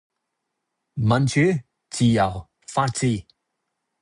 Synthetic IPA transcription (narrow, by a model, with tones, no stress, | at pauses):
mɐ˨nt͡ʃʰyː˨˥ | t͡siː˨˩jɐ˨˩w | faː˥t̚t͡siː˧